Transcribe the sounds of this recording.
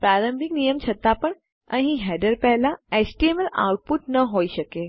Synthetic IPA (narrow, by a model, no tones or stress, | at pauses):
pɾaɾəmbʱiknijəmt͡ʃʰət̪apəɳ | əɦĩɦɛɖəɾpɛɦlaet͡ʃʈieməla̰wʈ̚puʈnəɦoiʃəke